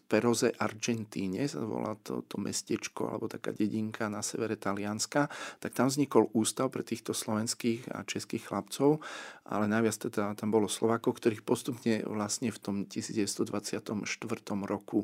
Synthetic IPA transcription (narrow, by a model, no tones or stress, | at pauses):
pɛɾɔzɛʔaɾd͡ʒɛnt̪iːɲɛsa̰zʋɔ̰la̰lt̪ɔ̰t̪ʰɔmʔɛ̰scɛt͡ʃkɔ̰a̰lɛ̰bɔt̪aka̰ːɟɛɟiŋkʰanasɛʋɛɾɛt̪alɪanskat̪ak̚t̪amvzɲikɔluːst̪aʊpɾɛt̪iːxt̪ɔslɔʋɛnskiːɣa̰t͡ʃɛskiːxxlapt͡sɔʊʔa̰lɛnajʋɪat͡st̪ɛd̪at̪ambɔlɔslɔʋaːkɔʊkt̪ɔɾiːxpɔst̪upɲɛʋlasɲɛft̪ɔmcisiːd͡zɟɛʋɛst̪ɔd̪ʋat͡sɪat̪ɔmʃt̪ʋr̩t̪ɔmɾɔku